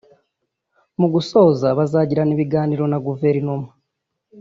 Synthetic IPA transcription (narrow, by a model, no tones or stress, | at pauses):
muɡuso̞ːzaβazaːɟiɾaniβiɡaːniɾo̞naɡuve̞ɾinuma